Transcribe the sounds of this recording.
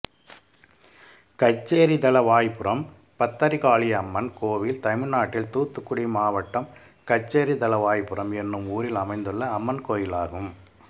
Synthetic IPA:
kɐt͡ʃːeːɾid̪ɐlɐʋaːjpɯɾɐm | pɐt̪ːɐɾikaːɭijɐmːɐnkoːʋɪlt̪ɐɪmɪnaːʈːɪlt̪uːt̪ːɯkːʊɽimaːʋɐʈːɐm | kɐt͡ʃːeːɾid̪ɐlɐʋaːjpːɯrɐmɛnːɯmuːɾɪlɐmɐɪnd̪ɯɭːɐːmːɐnkoːjɪlaːɣɯm

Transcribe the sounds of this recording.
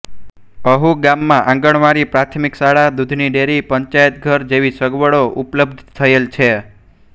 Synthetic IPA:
əɦuɡamːãʔãŋɡəɳʋaɾipɾat̪ʰmiksaɭad̪ud̪ʱniɖeɾipəɲt͡ʃajət̪̚ɡʱəɾd͡ʒeʋisəɡʋəɭoʔupləbd̪ʱt̪ʰəelt͡ʃʰe

